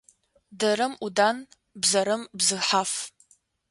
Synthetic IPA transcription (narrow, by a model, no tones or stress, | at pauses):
dɐɾɨmudan | bzɐɾɨmbzɨħaf